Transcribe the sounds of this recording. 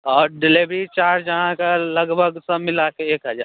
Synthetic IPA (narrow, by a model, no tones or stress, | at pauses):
ɔːɾɖɪlibɾit͡ʃaːɾd͡ʒɐɦãkalɐɡbʱəɡsəbmɪlakeeːkɦəd͡ʒaː